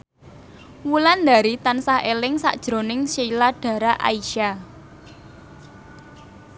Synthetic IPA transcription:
wuland̪a̤ɾit̪ansahelɪŋsa̰ʔd̥ʒ̥ɾo̤nɪŋseilaɖ̥ä̤ɾaʔa̰iʃa

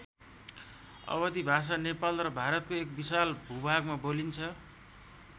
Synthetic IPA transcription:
ʌ̰bʌd̪ibʱas̬anepalrʌbʱaɾʌt̪̚koek̚bisalbʱubʱaɡmabolint͡sʰʌ

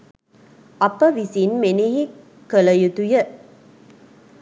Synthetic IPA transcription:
ɐpːəʋisinmeneɦi | kələjut̪ujə

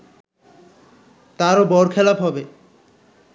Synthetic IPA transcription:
t̪aɾobɔɾkʰɛlapɦɔbe

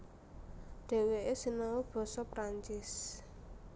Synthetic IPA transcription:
ɖ̥e̤weʔesinawub̥ɔ̤sɔpɾaɲt͡ʃɪs

